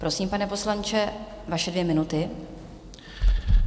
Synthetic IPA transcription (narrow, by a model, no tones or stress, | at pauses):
pɾo̞siːmpanɛpo̞slant͡ʃɛ | vaʃɛdvjɛmɪnut̪ɪ